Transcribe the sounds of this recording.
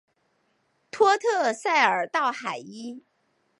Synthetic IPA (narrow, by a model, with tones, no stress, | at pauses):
t̪ʰwɔ˥t̪ʰɤ˥˧sa˥˩ɪə˞˨˩t̪ɑ˥˩ʊxa˨˩ɪi˥